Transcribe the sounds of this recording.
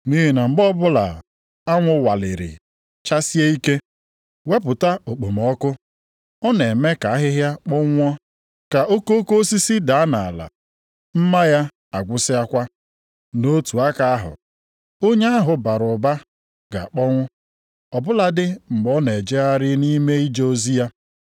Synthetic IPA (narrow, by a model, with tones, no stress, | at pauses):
ni˦ɦi˨na˨ŋ͡m̩˨ɡ͡bɔ˦bʊ˦la̰˨ | a˦ŋʷʊ˦wa˨lɪ̰˨ɾɪ̰˨ | t͡ʃa˦si˦e˦i˦ke˦ | we˦pʊ˨ta˦o˨k͡po˨m˨ɔ˦kʊ˦ | ɔ˦ne˨me˦ka˨a˦ɦɪ˦ɦja˦k͡pɔ˦ŋʷ˦ɔ˦ | ka˨ʔo˦ko˦ko˦si˦si˦da˨a˦na˨la̰˨ | m̩˦ma˦ja˦ | a˨ɡʷʊ˦sɪ˦a˦kʷa˦ | no˦tu˨a˦ka˨a˦ɦʊ̰˨ | o˦ɲe˦a˦ɦʊ˨ba˨ɾʊ˨ba˦ | ɡa̰˨k͡pɔ˦ŋʷʊ˦ | ɔ˨bʊ˦la˨dɪ˦m̩˨mɔ˦ne˨d͡ʒe˦a˦ɾɪ˦ni˦me˦i˦d͡ʒe˦o˦zi˦a˦